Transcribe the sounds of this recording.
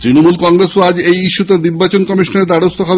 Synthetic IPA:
t̪ɾinomulkɔŋɾesoad͡ʑejiʃːut̪aniɾbat͡ɕonkɔmiʃoneɾd̪aɽost̪oɦɔbe

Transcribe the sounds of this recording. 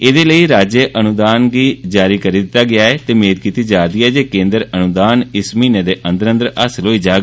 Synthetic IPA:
ed̪eːləiːɾaːd͡ʒeʔənʊd̪aːnɡiːd͡ʒaːɾiːkəɾiːd̪ɪt̪ːaːɡɪaːɛːt̪eːmeːd̪̚kiːt̪iːd͡ʒaːd̪iːɛːd͡ʒeːkẽːnd̪əɾənʊd̪aːnɪsmiːnẽːd̪eːʔə̃nd̪əɾənd̪əɾəsloːiːd͡ʒaːɡ

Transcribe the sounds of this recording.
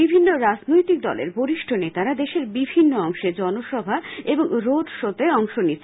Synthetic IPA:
ibʱinːoɾad͡ʑnojt̪ik̚d̪ɔlḛɾboɾiʃʈʰonet̪aɾad̪eʃeɾbibʱinːoɔŋʃed͡ʑɔnoʃɔbʱaeboŋɾoɖʃot̪eɔŋʃoni

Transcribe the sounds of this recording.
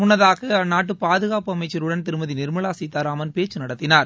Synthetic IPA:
mʊnːɐðaːɣɐnaːʈ̬ːɯpaːðɯɣaːpɯɐmɐɪt͡ʃːɐɾɯɽɐnt̪ɪɾɯmɐðinɪɾmɐɭaːsiːt̪ːaːɾaːmɐnpeːt͡ʃːɯnɐɽɐt̪ːɪnaːɾ

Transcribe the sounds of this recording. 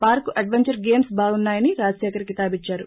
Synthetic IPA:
paːɾkuʔɐɖʋeɲt͡ʃɐɾɡe̞ːmsbʱaːɡunːaːjɐniɾaːsjɛːkɐɾikit̪aːbit͡ʃːaːɾu

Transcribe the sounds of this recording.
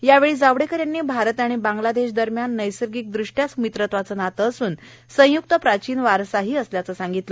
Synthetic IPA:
jaʋeɭiːd͡zaʋɽekəɾjanːiːbʱaɾət̪aɽ̃ibãŋɡlad̪eɕd̪əɾmjanːəjsəɾɡiːk̚d̪ɾuʂʈjasumit̪ɾət̪ʋat͡sənat̪əːsuːn | sə̃juk̚t̪əpɾat͡ɕiːnʋaɾsaɦiːəsljat͡səsaŋɡit̪lə

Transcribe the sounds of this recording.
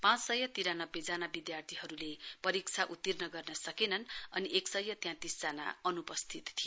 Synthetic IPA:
pãt͡ssʌjʌt̪iɾanʌbjed͡zanabid̪jart̪ʰiɦʌɾulepʌɾik̚t͡sʰaʔut̪ːirnʌɡʌrnʌsʌkenʌnʌniʔeksʌjːʌt̪jãt̪isd͡zana̰ʌnupʌst̪ʰit̪t̪ʰijo

